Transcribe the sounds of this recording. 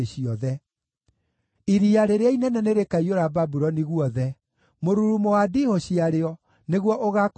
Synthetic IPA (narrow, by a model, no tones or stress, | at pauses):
eɕiɔðɛ | iɾiaɾeɾeainɛnɛneɾekaioɾababuɾɔniɣuɔðɛ | moɾuɾumoadihoɕiaɾeɔ | neɣwɔʔoɣak